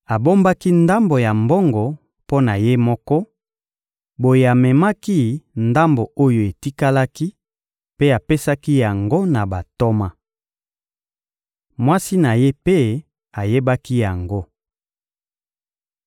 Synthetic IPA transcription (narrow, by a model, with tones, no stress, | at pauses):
a˨bo˦mba˦ki˦nda˦mbo˨ja˨mbo˦ŋɡɔ˨ | po˦na˨je˦mɔ˦kɔ˦ | bo˨je˨a˨mɛ˨ma˦ki˦nda˦mbo˨o˦jo˨e˨ti˦ka˦la˦ki˦ | pe˦a˨pe˦sa˦ki˦ja˨ŋɡo˦na˨ba˨to˦ma˦ | mwa˦si˦na˨je˦pe˦ | a˨je˦ba˦ki˦ja˨ŋɡo˦